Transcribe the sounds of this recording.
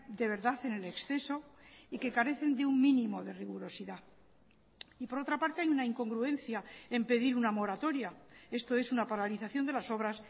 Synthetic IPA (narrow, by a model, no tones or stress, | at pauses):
d̪e̞β̞e̞ɾðaθe̞ne̞le̞ksθe̞so̞ike̞kaɾe̞θe̞nd̪euŋmĩnĩmo̞ðe̞riɣuɾo̞siða | ipo̞ɾo̞t̪ɾapaɾt̪e̞ajunaiŋko̞ŋɡɾuẽ̞n̟θjae̞mpe̞ðiɾunamo̞ɾat̪o̞ɾjae̞st̪o̞e̞sunapaɾaliθaθjo̞nd̪e̞laso̞β̞ɾas